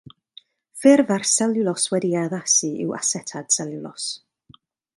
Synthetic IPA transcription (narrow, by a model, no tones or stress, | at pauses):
fɪrvarsɛlˠjʊlˠɔswɛdiaðasɨɪ̰wʔa̰sɛtʰad̥sɛlˠjʊlˠɔ̰s